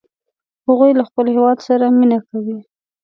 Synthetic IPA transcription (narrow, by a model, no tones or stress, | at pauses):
haɣujlaxpəlhewɑd̪saɾaminakawi